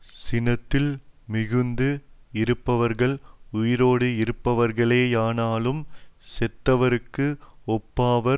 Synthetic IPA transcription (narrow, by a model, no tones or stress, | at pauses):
sɪnɐt̪ːɪlmɪɣɯnd̪ɯɪɾɯpːɐʋɐɾɣɐɭʊjɪɾoːɽɯɪɾɯpːɐʋɐɾɣɐɭeːjaːnaːlɯmsɛt̪ːɐʋɐɾɯkːɯɔpːaːʋɐ